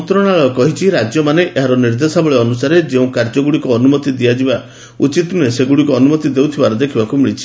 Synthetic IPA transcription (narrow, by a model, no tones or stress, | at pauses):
t̪ɾɔɽ̃aɭɔkɔɦit͡ʃʰiɾad͡ʒjɔmaneʔʔeɦaɾɔniɾd̪esabɔɭeɔnusaɾed͡ʒeũkaɾd͡ʒɔɡuɽikuɔnumɔt̪id̪iad͡ʒiba | ut͡ʃit̪uneseɡuɽikuɔnumɔt̪id̪ewt̪ʰibaɾɔd̪ekʰibakumiɭit͡ʃʰi̥